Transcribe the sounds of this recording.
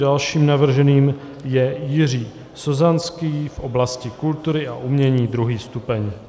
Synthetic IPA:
dalʃiːmnavr̩ʒɛniːm | jɛjɪr̝iː | sozanskiːfʔo̞blascɪkult̪uɾɪʔaʔumɲɛɲiːd̪ɾuɦiːst̪upɛɲ

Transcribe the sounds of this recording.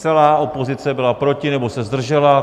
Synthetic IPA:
t͡sɛlaːʔo̞po̞zɪt͡sɛbɪlapɾo̞cɪnɛbo̞sɛzd̪r̩ʒɛla

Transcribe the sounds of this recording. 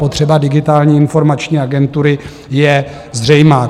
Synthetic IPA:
po̞t̪r̝̥ɛbadɪɡɪt̪aːlɲiːɪnfo̞ɾmat͡ʃɲiːaɡɛnt̪uɾɪ | jɛ | zr̝ɛjmaː

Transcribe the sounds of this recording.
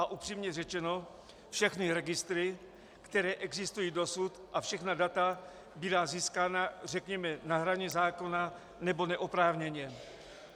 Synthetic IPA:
ʔaʔupr̥iːmɲɛrɛt͡ʃɛno̞ | fʃɛxnɪɾɛɡɪst̪ɾɪ | kt̪ɛɾɛːʔɛɡzɪst̪ujiːdo̞sut̪ʔafʃɛxnadat̪a | bɪdaːziːskaːnar̝ɛkɲɛmɛnaɦɾaɲɛzaːko̞na | nɛbo̞nɛʔopɾaːvɲɛɲɛ

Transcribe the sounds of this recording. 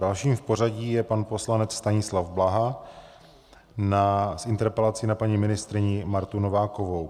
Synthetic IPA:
dalʃiːmfpo̞ɾ̝aɟiːjɛpanpo̞slanɛt͡sst̪aɲɪslavblaɦa | nasʔɪnt̪ɛɾpɛlat͡sinapaɲimɪnɪst̪ɾɪɲɪmaɾt̪unovaːkovow

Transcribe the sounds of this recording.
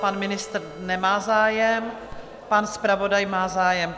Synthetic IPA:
panmɪnɪst̪r̩ | nɛmaːzaːjɛm | panspɾavodajmaːzaːjɛm

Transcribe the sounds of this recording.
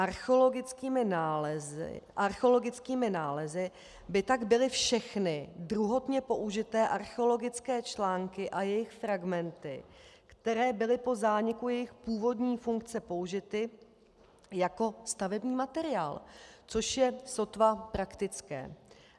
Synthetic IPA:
ʔaɾxoloɡɪt͡skiːmɪnaːz̰ʔaɾxɛolo̞ɡɪt͡skiːmɪnaːlɛzɪ | bɪt̪aɡbɪlɪfʃɛxnɪdɾuɦo̞t̪ɲɛpo̞ʔuʒɪt̪ɛːʔaɾxɛo̞lo̞ɡɪt͡skɛːt͡ʃlaːŋkɪʔajɛjɪxfɾaɡmɛnt̪ɪkt̪ɛɾɛːbɪlɪpo̞zaːɲɪkujɛjɪxpuːvo̞dɲiːfuŋk̚t͡sɛpo̞uʒɪt̪ɪ | jako̞st̪avɛbɲiːmat̪ɛɾɪjaːlt͡so̞ʃjɛso̞t̪vapɾakt̪ɪt͡skɛ̰ː

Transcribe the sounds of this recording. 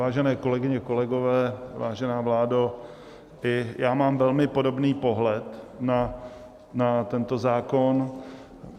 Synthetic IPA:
aːʒɛnɛːko̞lɛɡɪɲɛko̞lɛɡo̞vɛːvaːʒɛnaːvlaːdo | ʔɪjaːmaːmvɛlmɪpo̞do̞bniːpo̞ɦlɛt̪na | nat̪ɛnt̪o̞zaːko̞n

